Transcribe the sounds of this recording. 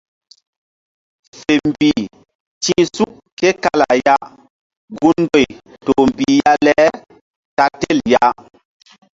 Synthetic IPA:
fe˨m˨bi˨ | tĩ˦su˦ʔ | ke˦ka˦la̰˨ja˦ | ɡu˦n˦do˦˨j | to˨m˨bi˨ja˦lɛ˦ | ta˦te˦˨lja˦

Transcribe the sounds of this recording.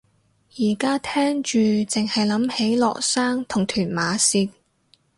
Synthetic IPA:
jiː˨˩kaː˥t̪ʰɛː˥ŋt͡ʃyː˨t͡sɪ˨ŋhɐ˨jlɐ˨˥mhe˨˥jlɔ̰ː˨k̚saː˥ŋt̪ʰʊ˨˩ŋt̪ʰyː˨˩nmaː˨˧siː˧t̚

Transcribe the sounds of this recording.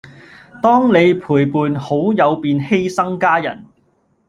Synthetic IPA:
t̪ɔː˥ŋne˨˧jpʰuː˨˩jpuː˨nho˨˥wjɐ˨˧wpiː˨nhe˥jsɐ˥ŋkaː˥jɐ̰˨˩n

